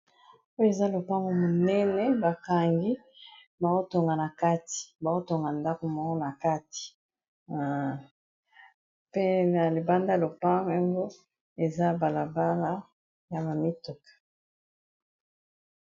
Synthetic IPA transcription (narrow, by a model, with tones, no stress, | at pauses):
o˦jo˦e˨za˦lo˨pa˦ŋɡo˦mo˨nɛ˦nɛ˦ba˨ka˨ŋɡi˦ | ba˨ko˦to˨ŋɡa˨na˨ka˦ti̥˨ba˨ko˦to˨ŋɡa˨nda˦ko˨mo˨ŋo˦na˨ka˦ti̥˨ | pe˦na˨le˨ba˦nda˦˨lo˨pa˦ŋ˦a˦ŋɡo˦ | e˨za˦ba˨la˨ba˦la˦ | ja˨ba˨mi˦to˨kḁ˨